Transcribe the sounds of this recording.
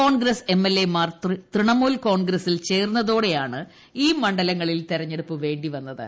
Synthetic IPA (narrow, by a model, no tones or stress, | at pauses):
oːɳɡɾɐse̞mːelːemaːrt̪rit̪riɳɐmoːlko̞ːɳɡɾɐsilt͡ɕe̞ːrunːɐðoːɽe̞jaːɳɨ | iːmɐɳɖɐlɐŋːɐɭilt̪iɾɐɲːe̞ɽupːɨʋe̞ːɳɖiʋɐnːɐðɨ̰